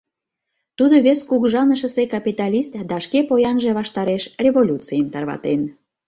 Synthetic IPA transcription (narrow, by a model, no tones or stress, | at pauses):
t̪ud̪oβeskuɣʒɑnəʃə̆sekɑpʲit̪ɑlʲist̪d̪ɑʃkepojɑnʒeβɑʃt̪ɑɾeʃrʲevolʲut͡sijəmt̪ɑrβɑ̰t̪en